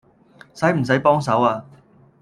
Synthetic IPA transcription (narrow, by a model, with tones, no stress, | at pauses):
sɐ˨˥jm̩˨˩s̬ɐ˨˥jpɔː˥ŋsɐ˨˥waː˧